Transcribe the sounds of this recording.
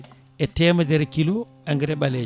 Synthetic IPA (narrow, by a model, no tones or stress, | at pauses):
ʔɛtɛːmadɛɾkilo | aŋɡɛɾɛɓalɛ